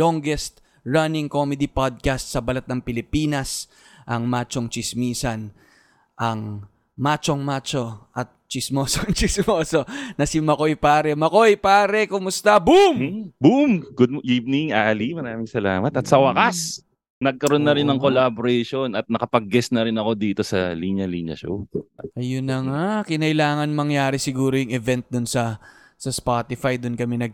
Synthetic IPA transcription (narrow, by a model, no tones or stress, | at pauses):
loŋɡɛst̪̚ | ɹɐnɪŋkomɛd̪ipad̪̚kast̪sɐbɐlɐt̪̚nɐŋpɪlɪpiːnɐs | ʔɐŋmaːt͡ʃoŋt͡ʃɪsmiːsɐn | ʔɐŋ | mat͡ʃoŋmaːt͡ʃo̞ʔɐt̪̚t͡ʃɪsmoːsoŋt͡ʃɪsmoːso̞nɐsimɐkojpaːɾɛmɐkojpaːɾɛkʊmʊst̪ɐbumbumɡʊd̪̚mʔivnɪŋaʔɐlimɐɾaːmɪŋsɐla̰ːmɐt̪ɐt̪sɐwɐkas | nɐɡ̚kɐɾonːɐɾɪnːɐŋkolaboɾɛjʃonɐt̪̚nɐkɐpɐɡ̚ːɛsnɐɾɪnɐko̞d̪iːt̪o̞sɐliɲɐlḭɲɐ̰ʃo̰ʔɐjʊnːɐŋakɪnɐʔɪlaːŋɐnmɐŋjaːɾɪsɪɡuːɾojʊŋɛvɛnt̪̚d̪ʊnsɐ | sɐspat̪ɪfajd̪ʊnkɐmɛnɐɡ̚